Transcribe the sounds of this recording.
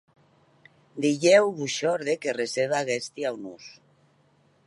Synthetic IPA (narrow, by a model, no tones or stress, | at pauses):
d̪iʎewβuʃɔɾðekereseβaɣest̪iawnus